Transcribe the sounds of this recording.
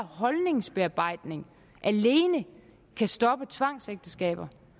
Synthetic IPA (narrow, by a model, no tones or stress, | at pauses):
hɒ̽lne̝ŋsb̥e̝ɑ̈b̥ɑ̈ɪ̰d̥ne̝ŋ | ʔæle̝ːnə | kʰæsd̥ɒ̽b̥ət͡sʰʋɑ̈ŋ̰seɡ̥̚d̥əsɡ̥ɛ̰ːb̥ɐ